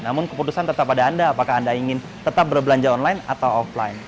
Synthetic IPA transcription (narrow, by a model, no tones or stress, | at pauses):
namʊnkəput̪usant̪ət̪apadaːndaːpakahandaiŋɪn | t̪ət̪ap̚bərbəlaɲd͡ʒaɔnlajina̰t̪awɔfla̰in